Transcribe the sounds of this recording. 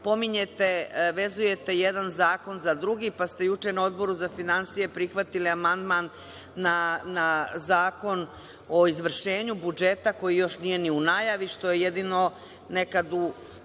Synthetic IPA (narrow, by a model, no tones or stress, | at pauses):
po̞miɲet̪eʋe̞zuje̞t̪e̞jed̪anzaːko̞nzad̪ɾuɡipast̪e̞jut͡ʃenao̞d̪bo̞ɾuzafinansije̞pɾixʋat̪iliamand̪manː | anazaːko̞n | o̞izʋr̩ʃe̞ːɲubud͡ʒe̞t̪ako̞jijo̞ʃnije̞niunajaʋiʃt̪o̞jejed̪ino̞ | ne̞kad̪u